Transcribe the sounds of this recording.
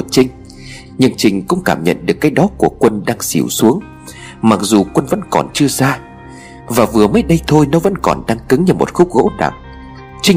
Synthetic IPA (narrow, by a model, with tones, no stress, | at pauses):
t͡ɕï˧ŋ̟ | ɲɨ˧nt͡ɕï˨˩ŋ̟kʊ̰˧˥ŋ͡mkaː˧˩mɲə̰˧˨nɗɨ˨˩əkːaː˨˦jɗɔ˨˦ku˧˩əkwə˧nɗaː˧ŋsḭ˧˩wsu˨˦əŋ | ma˨˩k̚zu˨˩kwə˧nvə̰˧˥nkɔ˨˩nt͡ɕɨ˧əzaː˧ | vaː˨˩vɨ˨˩əməː˨˦jɗə˧jt̪ʰo˧jnɔ˨˦və̰˧˥nkɔ˨˩nɗaː˧ŋkɨ˨˦ŋɲɨ˧˩mo˨˩t̚xʊ˦˥k͡p̚ɣo̰˧˥ɗa̰˨˩ŋ̚ | t͡ɕï˧